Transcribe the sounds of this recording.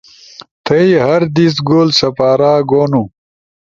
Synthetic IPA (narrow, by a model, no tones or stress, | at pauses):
t̪ʰɐjiɦɐɾd̪isɡoːlsɐpaːɾaːɡoːnu